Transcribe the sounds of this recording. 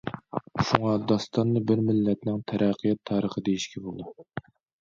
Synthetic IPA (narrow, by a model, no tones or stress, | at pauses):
ʃuŋɑd̪ɑst̪ɑnːɨbɪɾmɪlːɛt̪nɪŋt̪ʰæɾʔɛqʰːijɑt̪ʰːɑːɾəχəd̪ejiʃkʲʰɛbolˠd̪u